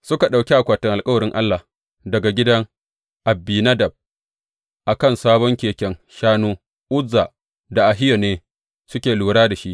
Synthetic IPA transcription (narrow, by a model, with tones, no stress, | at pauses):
sʊ˦ka˨ɗa˨wkʲi˦ʔa˨kʷaː˨tɪ˦ŋʔa˨lkʼɐ˦wɐ˨ɾɪ˦ŋʔa˦lːa˨ | dɐ˨ɡa˨ɡʲɪ˦dɐ˦ŋ | ʔa˨bːiː˨na˦dɐ˨b̚ | ʔa˨kɐ˦˨nsaː˦bɔ˦ŋkʲeː˨kʲɛ˦ŋʃaː˦noː˦ | ʔʊ˦zːa˨ | da˨ʔa˨ɦɪ˦jo˨neː˦ | sʊ˦kʲeː˨luː˨ɽaː˦da˨ʃi˦ʔ